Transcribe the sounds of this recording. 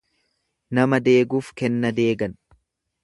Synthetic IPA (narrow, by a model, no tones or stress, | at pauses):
nɐmɐd̪e̞ːɡuːfkɛnːɐd̪e̞ːɡɐn